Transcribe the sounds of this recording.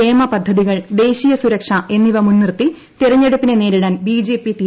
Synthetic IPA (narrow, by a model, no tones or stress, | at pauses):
eːmɐpɐd̪ʱːɐðiɣɐɭd̪e̞ːɕijɐsuɾɐkʂɐʔe̞nːiʋɐmunːirt̪ːi | t̪iɾɐɲːe̞ɽupːinene̞ːɾiɽaːnbiːd͡ʑe̞ːpːit̪i